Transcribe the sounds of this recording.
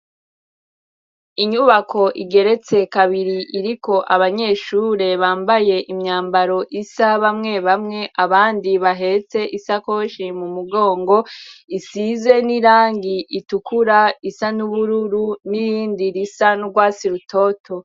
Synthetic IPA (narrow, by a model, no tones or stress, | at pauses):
iɲuβakʰo̞ʔiɡe̞ɾe̞t͡se̞kaβiɾiʔiɾikʰo̞ʔaβaɲe̞ːʃuɾe̞βaːmbaje̞ʔimɲaːmbaɾo̞ʔisaβamŋe̞βamŋe̞ʔaβaːndiβaɦe̞t͡se̞ʔisako̞ʃimumuɡo̞ːŋɡo̞isize̞niɾaːŋɡiʔitukuɾaisanuβuɾuɾunihiːndiɾisanuɡwaːsiɾutʰo̞tʰo̞